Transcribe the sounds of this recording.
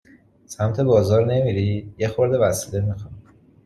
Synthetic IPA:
sæmt̪ʰe̞bɒːzɒːɾne̞miɾid̪̥jexoɾd̪e̞væsile̞mixuni

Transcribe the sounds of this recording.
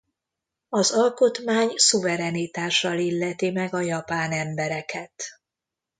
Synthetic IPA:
ɒzɒlko̞t̪maːɲsuvɛɾɛnit̪aːʃːɒlilːɛt̪imɛɡɒjɒpaːnɛmbɛɾɛkʰɛt̪

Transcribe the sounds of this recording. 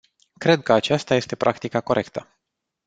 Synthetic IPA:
kɾe̞d̪̚kəat͡ʃast̪aje̞st̪e̞pɾʔakt̪ikako̞ɾʔe̞kt̪ə

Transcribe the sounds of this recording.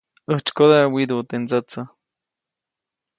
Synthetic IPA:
əht͡ʃkoðawid̪ut̪end͡zət͡sə

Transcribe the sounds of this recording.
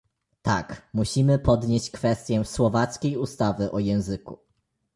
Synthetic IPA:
t̪akmuɕimɘpɔd̪ɲeɕt͡ɕkfɛst̪ʲjɛswɔvat̪skʲejust̪avɘʔɔjɛ̃w̃zɘkṵ

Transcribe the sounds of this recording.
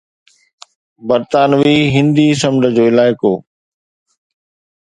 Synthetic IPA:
bɐɾt̪aːnʋiːɦɪ̃nd̪iːsɐ̃mɖ̪ʱəd͡ʑoːɪlaːɪkoː

